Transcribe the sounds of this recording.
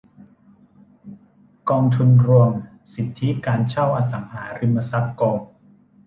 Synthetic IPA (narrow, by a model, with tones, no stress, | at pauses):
kɔː˧ŋt̪ʰu˧nɾu˧əm | si˨˩t̪ʰːi˦˥kaː˧nt͡ɕʰa˥˩wʔaː˧sa˩˦ŋhaː˩˦ɾi˧mːa˧sa˦˥kkɔː˧n